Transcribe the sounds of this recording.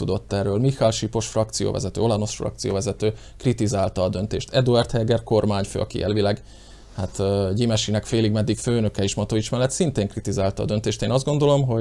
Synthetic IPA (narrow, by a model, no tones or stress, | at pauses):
ud̪o̞t̪ːɛrːøːlmixalʃipo̞ʃfrɒk̚t̪sijo̰ːvɛ̰zɛt̪ø̰ːo̞lano̞sfrɒ̰kt̪sijo̰ːvɛzɛt̪øː | krit̪izaːlt̪ɒːd̪ø̞nt̪eːʃt̪ʰɛd̪uɛrt̪hɛlɡɛrko̞rmaːɲfø̰ːɒ̰kḭjɛ̰lvilɛɡ | hat̪ɟimɛʃinɛkfeːliɡmɛd̪ːikføːnø̞kɛiʃmɒt̪oit͡ʃmɛlːɛt̪sint̪eːŋkrit̪izaːlt̪ɒ̰ːd̪ø̞nt̪eːʃt̪eːnɒzd̪ɡo̞nd̪o̞lo̞mɦo̞